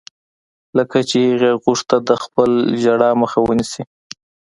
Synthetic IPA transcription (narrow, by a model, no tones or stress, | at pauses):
ləkat͡ʃehɣeɣuʂt̪ad̪əxpəlʒaɽɑməxawənisi